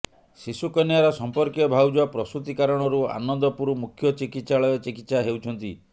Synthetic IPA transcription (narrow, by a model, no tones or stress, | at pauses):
sisukɔnjaɾɔsɔmpɔɾkijɔbʱawud͡ʒuapɾɔst̪ɾut̪ikaɾɔɽ̃ɔɾua̰nɔnd̪ɔpuɾumukʰːjɔt͡ʃikit̪saɭɔjɔt͡ʃikit̪saɦewt͡ʃʰɔnt̪i